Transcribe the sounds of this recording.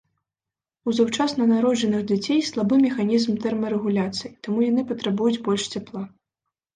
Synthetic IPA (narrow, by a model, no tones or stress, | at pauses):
uzawt͡ʂasnɐnaɾɔd͡ʒɛnɨxd͡zʲat͡sʲejslˠabɨmʲɛxanʲizmt̪ɛrmɐɾɛɣulʲat̪sɨjit̪amujanɨpɐt̪ɾabujud͡zʲbɔlʲʂt͡sʲaplˠa